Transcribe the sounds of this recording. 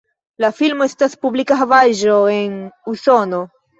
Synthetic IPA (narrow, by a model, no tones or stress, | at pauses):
lafilmoestaspublikaɦavaʒoe̞nuso̞no̞